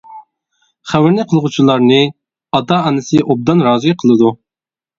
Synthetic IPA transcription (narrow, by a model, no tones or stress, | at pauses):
χæwɪɾnɪqʰəlˠʁut͡ʃʰilˠɑɾnɨ | ɑt̪ɑɑnɨsɨʔob̚d̪ɑnɾɑːziqʰəlˠɨd̪u